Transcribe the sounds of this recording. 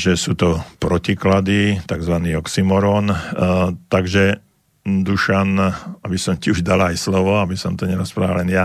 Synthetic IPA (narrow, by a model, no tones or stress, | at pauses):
ʒɛsuːt̪ɔpɾɔciklad̪it̪aɡzʋaniːɔksimɔɾɔːn | t̪aɡʒɛ | d̪uʃanabisɔmciuʒd̪alajslɔʋɔabisɔmt̪ɔɲɛɾɔspɾaːʋalɛnja